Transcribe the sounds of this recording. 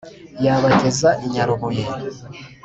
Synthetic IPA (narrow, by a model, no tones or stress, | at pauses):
jaβatezaʔiɲaɾomoje